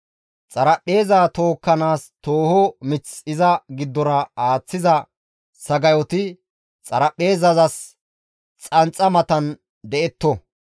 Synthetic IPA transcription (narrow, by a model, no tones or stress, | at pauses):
t͡sʼɐɾɐpʼːe̞ːzaːt̪o̞ːkːɐnaːst̪oːhɔmɪt͡sɪzɐɡɪd̪ːɔnɐaːt͡sːɪzɐ | sɐɡɐjɔt̪ɪ | t͡sʼɐɾɐpʼːe̞ːzɐzɐs | t͡sʼɐnt͡sʼɐmɐt̪ɐn | d̪ɛʔɛt̪ːɔ